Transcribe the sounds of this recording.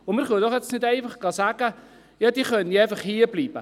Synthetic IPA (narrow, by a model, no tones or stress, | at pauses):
ʊmɪɾχudɔχɛt͡snɪdeɪfəχɡ̥ɑsæːɡə | jɑːd̥iːχœnəɛjfɑχhiːəbliːb̥ə